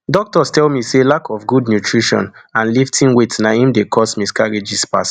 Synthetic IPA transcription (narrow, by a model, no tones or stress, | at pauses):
dɔk̚tɔstɛlmiselakʰɔfɡudnjutʰɹiʃɔ̰̃nãnliftʰĩnwetnaĩmdekʰɔsmiskaɹid͡ʒispas